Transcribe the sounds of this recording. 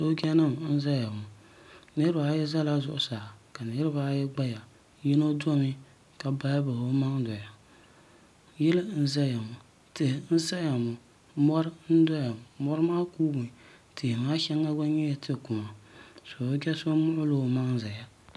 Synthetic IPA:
so˦ɡʲɛ˦nɨ˦m˨n̩˦za˦ja˨mʊ˨ | nɨ˦ɨ˦ba˨˦jɛ˦za˦la˦zʊ˨ʔʊ˨saː˨ka˨nɨ˨˦ɾɨ˦ba˦jɛ˦ɡ͡ba˦ja˨ | jɪ˦no˦dɔ˦mɪ˦ | ka˨ba˦ja˦ba˨ho˦ma˦ŋ˦dɔ˨ja˨ | jɛ˦lɨ˦n̩˦za˦ja˨mʊ˨ | tɪ˨hn̩˦sa˦ja˨mʊ˨ | mɔ˦ɾn̩˦dɔ˦ja˨mɔ˦ɾmaː˦kuː˦bʊ˨tɪ˨hma˦ʃɛ˦ŋːa˦ɡa˦ɲɛ˦ja˦tʰɪ˦˨kʊ˨ma˨so˨˦ɡʲɛ˦so˦mʊ˦ʔʊ˦loː˦˨ma˦ŋ˦za˨ja˨

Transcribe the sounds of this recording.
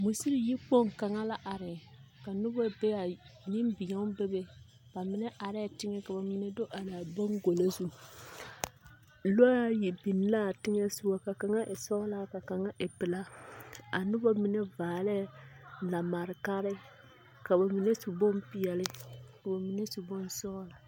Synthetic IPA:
mu˨si˦ɾi˦˨ji˦k͡po˦˨ŋ˨ka˨ŋa˦la˦ʔa˨ɾɪ˨ | ka˨nʊ˦bɔ˦˨be˦a˨ni˦m˦bi˨ɲɛ˦be˦be˦ | ba˨mɪ˨˦nɛ˦ʔa˨ɾɪ˦˨tɪ˦ŋɛ˦ka˨ba˨mɪ˨nɛ˦do˦ʔa˨laː˨bo˦ŋɡo˨lo˦zu˦ | lo˦a˦ji˨bi˨n˦la˦˨tɪ˦ŋɛ˦su˦a˦ka˨ka˨ŋa˦ʔe˨sɔ˦la˦ka˨ka˨ŋa˦ʔe˨pɪ˨la˦a˨nʊ˦bɔ˦mi˦nɛ˦vaː˨lɛ˦˨la˨ma˨ɾɪ˨ka˦ɾɪ˦ | ka˨ba˨mi˨nɛ˦su˨bo˦mpi˨ɛ˨lɪ˦ka˨ba˨mi˨ne˦su˨bo˦n˦sɔ˦la˨

